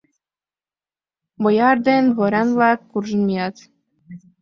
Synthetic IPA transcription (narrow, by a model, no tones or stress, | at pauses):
bojɑrd̪enβoɾʲɑnβlɑkːurʒəmijɑt̪